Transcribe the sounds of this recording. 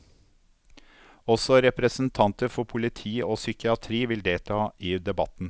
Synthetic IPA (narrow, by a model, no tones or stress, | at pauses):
ɔsɔɾɛpɾəsn̩t̪ʰɑnt̪əɾfɔpʰʊlɪt̪ʰiːoːsʏkɪɑt̪ʰɾiːʋɪld̪eːlt̪ʰɑːiːd̪ɛbɑt̪n̩